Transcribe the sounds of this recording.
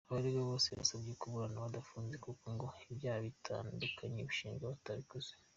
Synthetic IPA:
aβaɾiɡaβo̞ːseβa̰sabekuβuɾanaβadafuːnze̞kukoŋɡo̞ibjaːhaβitʰa̰ːndukʰaɲeβiʃiːŋɡaβataβikuz̥e̥

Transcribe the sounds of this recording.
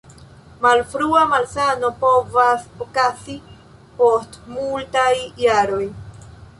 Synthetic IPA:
malfɾuamalsano̞po̞vasokasi | po̞stmultajːaɾo̞j

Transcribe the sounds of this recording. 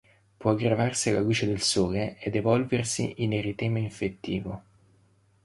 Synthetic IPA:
pwɔaɡɾavarsialːaluːt͡ʃed̪elsoːleed̪evɔlversḭʔinerit̪ɛːmaiɱfet̪ːḭːvo

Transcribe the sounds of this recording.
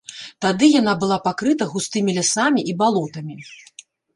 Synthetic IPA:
t̪ad̪ɨjan̪abɨlˠapakɾɨt̪ɐɣust̪ɨmʲilʲasamʲiʔibalˠɔt̪ɐmʲi

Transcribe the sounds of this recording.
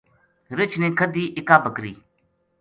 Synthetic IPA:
ɾɪt͡ʃʰnẽːkʰəd̪iːʔɪkaːbəkɾḭː

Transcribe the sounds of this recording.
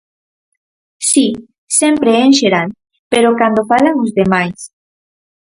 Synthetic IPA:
si | sempɾeenʃeɾal | peɾokand̪ofalauzðemajs

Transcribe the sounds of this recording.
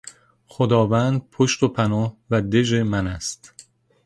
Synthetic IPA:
χod̪ɒːvænd̪̚pʰoʃt̪opʰænɒːhvæd̪e̞d͡ʒemænæst̪

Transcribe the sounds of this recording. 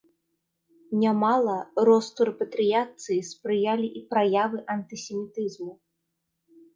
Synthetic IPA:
nʲamalˠɐɾɔst̪uɾɛpɐt̪ɾɨjat̪sɨjispɾɨjalʲiʔipɾajavɨʔɐnt̪ɨsʲɛmʲit̪ɨzmu

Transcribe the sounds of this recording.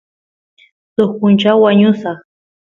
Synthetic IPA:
t̪oχkʊnt͡ʃawwaɲʊsɑχ

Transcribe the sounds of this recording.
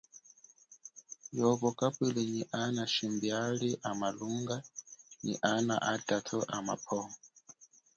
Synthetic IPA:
jɔβɔkʼapʼilɛniʔanaʃimbiaɺiʔamaluŋɡanḭʔana̰ʔadʼatʰɔʔama̰pʰɔːŋ

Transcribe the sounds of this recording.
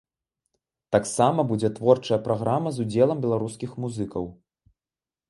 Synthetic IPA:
t̪aksamɐbud͡zʲɛt̪vɔrt͡ʂɐjɐpɾaɣɾamɐzud͡zʲɛlˠɐmbʲɛlˠaɾuskʲixmuzɨkɐw

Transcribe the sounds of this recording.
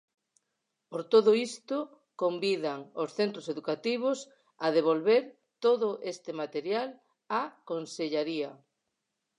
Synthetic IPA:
poɾt̪oðʊist̪o | kombiðaŋosθent̪ɾoseðukat̪iβ̞os | aðeβ̞olβeɾ | t̪oðʊʔest̪emat̪eɾjal | akonseʎaɾia

